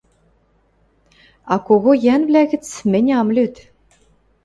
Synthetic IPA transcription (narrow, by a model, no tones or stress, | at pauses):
ɑkoɣojænvlʲæɣʲɘ̆t͡smɘ̆nʲɑmlʲyt̪